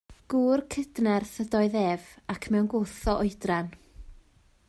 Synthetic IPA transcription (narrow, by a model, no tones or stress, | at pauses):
ɡ̥uːrkʰədnɛrθədɔɨðeːvakʰmɛwnɡoːθɔʔɔɨdran